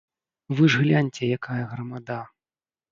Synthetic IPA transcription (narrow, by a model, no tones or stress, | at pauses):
vɨʐɣlʲanʲt͡sʲɛjakajɐɣɾɐmad̪a